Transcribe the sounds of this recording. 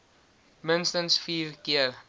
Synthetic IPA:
mənstənsfiːrkiər

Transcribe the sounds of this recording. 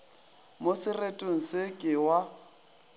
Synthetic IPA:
mosɪretʼʊn̩sɪkʼɪwa

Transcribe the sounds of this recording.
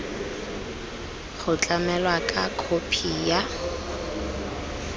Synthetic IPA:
χʊt͡ɬʼamɛlwakʼakʰopʰija

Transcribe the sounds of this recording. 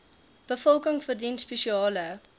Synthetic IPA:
b̥əfɔlˠkəŋfərdintspeʃiɑːlə

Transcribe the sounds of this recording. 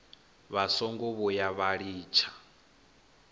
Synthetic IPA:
βasɔŋɡɔβɔjaβaɺiːt͡ʃʰḁ

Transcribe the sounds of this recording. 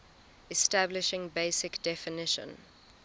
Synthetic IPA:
ɛstablɪʃɪ̃ŋbeɪsɪkd̥ɛfɪnɪʃə̰̃n

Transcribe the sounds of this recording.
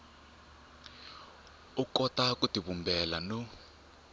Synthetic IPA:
ukɔtakutiβumbʱɛlano

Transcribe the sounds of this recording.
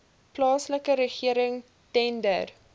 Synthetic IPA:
plɑːsləkəɾəχiəɾəŋ | tɛndə̰r

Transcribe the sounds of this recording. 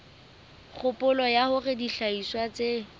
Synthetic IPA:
χʰʊpʼʊlɔjahʊrediɬaiswat͡se

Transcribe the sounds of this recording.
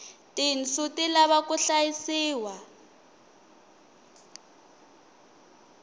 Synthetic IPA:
tint͡sutilaβakuɬajisiːwa

